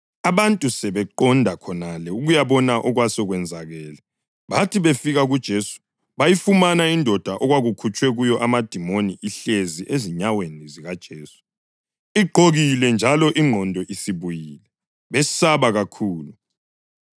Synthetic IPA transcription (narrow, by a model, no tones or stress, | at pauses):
aβantʼusɛβɛǃɔndʱakʰɔnalɛuɣujaβɔnaʔɔɣwasɔɣwɛnd͡zʱaɣɛːla | βatʰiβefiɣaɣud̥ʒ̥ʱeːsu̥ | βajifumanaindʱɔd̥ʱaʔɔɣwaɣukʰut͡ʃʼwɛɣujɔʔamad̥ʱimoniʔiɬeziʔeziɲaweniziɣad̥ʒ̥ʱeːsu̥ | iɡ͡ǃʱoɣilɛnd͡ʒʱalɔʔiŋ͡ǃʱɔndʱɔʔisiβujiːlɛ | βɛsaβaɣakʰuːlu